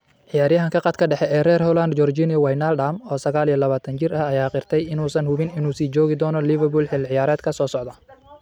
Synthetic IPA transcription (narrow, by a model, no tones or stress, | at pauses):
ʕɪjaːɾjɐɦɐŋkʰɐqɑt̪̚kʰɐɖɛħɛʔɛːrɛːrhɔland̪d͡ʒɔrd͡ʒɪnjɐwajnalɖamɔːsɐɣaːlijɐlɐβaːt̪ʰɐnt͡ʃɪrɐɐjaːqɪrt̪ʰɛjɪnuːsɐnhʊβɪnɪnuːsiːt͡ʃɔːɣɪd̪ɔːnɔlɪβɛrbulħɪlʕɪjaːɾɛːd̪kʰɐsɔːsɔʕd̪ɐ